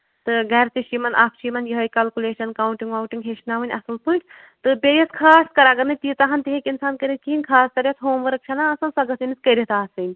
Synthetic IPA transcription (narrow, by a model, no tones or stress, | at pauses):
t̪ɨɡɐːɾt̪iʃimɐnʔapʰt͡ʃʰiːmɐnjɐɦɐjkɐːlkʲuleːʃɐnkaːuɳʈiŋɡʋawʈiŋɡɦeʃnaːʋɐnʲɐ̰sɨlpɨʈʲ | t̪ɨbejɐt̪kʰaːskɐɾaɡɐɾnɨt̪iːt̪aɦɐnt̪iɦekinsaːnkɐɾit̪kiinʲkʰaːst̪ɐɾʲjɐt̪ʰɦoːmʋɐɾɐk̚t͡ʃʰɐnaɐsɐnsɐɡɐsiniskɐɾit̪aːsɨnʲ